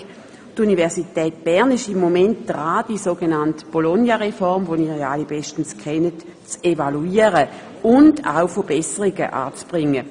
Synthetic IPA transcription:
tunivɛɐsitɛːt̚b̥ɛʁnɪʃɪmːomɛntd̥ʁaːd̥isoːɡenantb̥olɔnjaʁefɔʁmvoniːjaalibɛʃtn̩skʰɛnət | t͡sevaluiːəʁə | ʊnda̰ʊfəb̥ɛsəʁiɡə̰ʔa̰ːt͡sb̥ʁɪŋːə

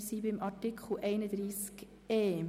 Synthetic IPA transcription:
siːbɪmʔɑtikχl̩ʔɛɪnəd̪ɾiːsk | eː

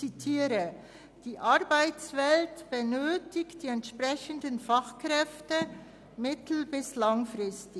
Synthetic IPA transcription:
t͡sitʰiːɾə | d̥iːʔaʁbaɪt͡sv̥ɛltb̥ənøːtɪktd̥iːɛntʃpʁɛçən̩dənfaχkrɛftə | mɪtl̩bɪslaŋfrɪstɪ

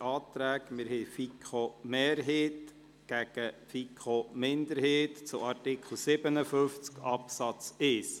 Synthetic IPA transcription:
ɑːt̪ɾæːkmɪɾhefikʰχomeːɾɦeːt̪ | ɡ̥æɡ̥əfikʰχomɪnd̪əɾheːt̪t͡sʊɑrtɪkχl̩sɪbənəfʏft͡skɑpsɑt͡sɪs

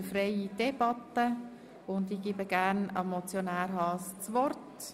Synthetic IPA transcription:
fɾɛɪid̥ɛbɑt̪ːə | ʊndiɡɪbəɡ̥æːɾnɑ̰mɔt͡sjonæːɾɦɑːst͡sʋɔrt

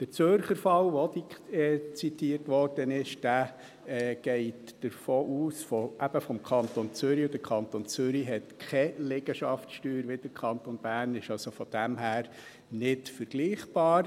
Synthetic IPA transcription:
d̥əɾt͡søɾχəɾfɑlʋodiɛt͡sitiːərtʋɔrd̥ənɪʃd̥æː | ɡ̥ɛɪtd̥əɾfoːʔuːsfɔʔæb̥əfɔmkʰɑntont͡sʏɾiodəkʰɑntont͡sʏɾiɦɛtkʰɛlɛɡ̥əʃɑftʃtyːɾʋɪd̥əɾkʰɑnt̪onb̥æːrnɪʃɑlsofɔd̥æmɦæːɾ | nɪtfəɾɡ̥liːχb̥ɑːɾ

